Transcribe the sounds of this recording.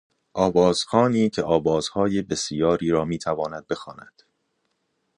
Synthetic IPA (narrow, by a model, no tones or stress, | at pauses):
ʔɒːbɒːz̥xɒːniːcʰeʔɒːbɒːz̥hɒːjebe̞sijɒːɾiːɾɒːmiːt̪ʰævɒːnæd̪̚be̞xɒːnæ̰d̪̥